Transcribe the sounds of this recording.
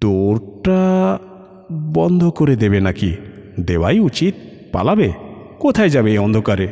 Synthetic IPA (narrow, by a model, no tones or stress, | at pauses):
t̪oɾʈa | bɔnd̪ʱɔkɔɾed̪ebenaki | d̪ewajut͡ʃit̪̚ | pa̰labe | kot̪ʰajd͡ʒabeɔnd̪ʱokaɾe